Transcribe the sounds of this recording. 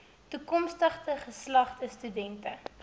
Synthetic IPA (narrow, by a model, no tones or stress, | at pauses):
tukɔmstəχtəχəslɐχtəstydɛntə